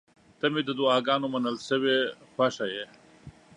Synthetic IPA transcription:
t̪ɐmed̪əd̪uaːɡaːnomɐnəlsəwefɐʂɐje

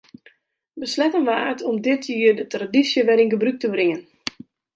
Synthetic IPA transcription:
bəslɛtənʋaːtʰɔmdɪtʰjiːərdətradisjəʋɛɾinɡəbryk̚təbrɪŋən

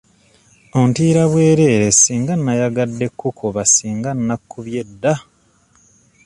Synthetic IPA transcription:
o̞ntiːɾaβwe̞ːɾe̞ːɾesiːŋɡanːajaɡadːe̞kːukʰoβasiːŋɡanːakʰːuβje̞dːa

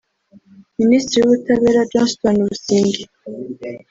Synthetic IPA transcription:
minist̪ɾijuβutaβeɾad͡ʒɔ̃nstɔnuβusiːŋɡi

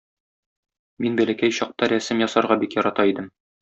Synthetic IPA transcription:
minbælækæjɕɒq̚t̪ɑɾæsɘmjɒsɑɾʁɑbikjɒɾɑt̪ɑid̪ɘm

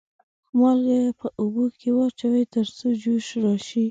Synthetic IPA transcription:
xmɑlɡejpʰəʔʊbokʰewɑt͡ʃawejt̪əɾt͡sod͡ʒoʃɾɑʃi

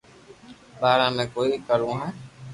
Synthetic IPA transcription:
ɓaːɾãːmẽːkoːikəɾũːɦɛ̃ː

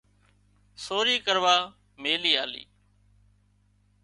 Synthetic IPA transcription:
soːɾiːkəɾʋaː | meːliːaːlḭː

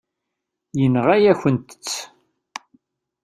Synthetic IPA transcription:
jənʁæjæçənt̪ə̥t͡sː

